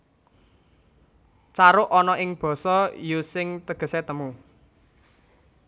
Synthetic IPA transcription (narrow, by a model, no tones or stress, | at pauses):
t͡ʃaɾʊʔɔnɔʔɪŋb̥ɔ̤sɔjusɪŋt̪əɡ̥ə̤set̪əmu